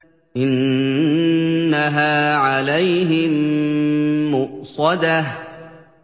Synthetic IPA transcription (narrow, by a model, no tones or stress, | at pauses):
ʔɪn | aɦaːʕalajɦɪm | mʊʔsˤɑd̪ah